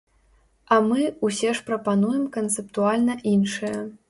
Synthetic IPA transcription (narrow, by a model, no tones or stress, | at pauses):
ɐmɨusʲɛʂpɾɐpanujɛmkɐnt̪sɛpt̪ualʲnɐʔinʂɨjɐ